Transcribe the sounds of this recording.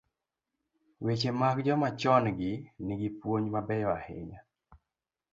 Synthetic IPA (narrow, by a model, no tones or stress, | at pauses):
wet͡ʃemakd͡ʒɔmat͡ʃɔnɡɪnɪɡɪpwoɲmabɛjɔahḛɲa